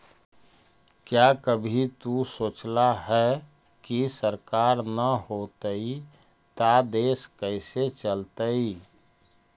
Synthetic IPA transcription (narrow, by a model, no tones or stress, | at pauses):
kjakəbʱit̪usoːt͡ʃlaɦɛ | kisəɾkaːɾnəhot̪əi | t̪ad̪eːskəɪset͡ʃəlt̪əi